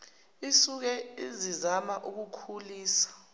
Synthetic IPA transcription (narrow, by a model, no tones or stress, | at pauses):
isuk̬ɛizizamaʔuk̬ukʰuliːsḁ